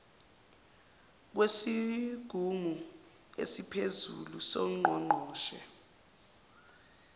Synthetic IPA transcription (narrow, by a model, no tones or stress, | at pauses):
k̬wesiɡ̥ʱumu | ḛsipʰezṵlusɔŋ͡ǃʱɔŋ͡ǃʱɔːʃɛ̰